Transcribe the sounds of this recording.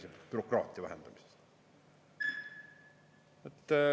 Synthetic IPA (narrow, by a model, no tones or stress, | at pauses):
seb̥yɾokrɑ̰ːt̪ˑiɑvæɦhend̪ɑmi̥se̥s | et̪ː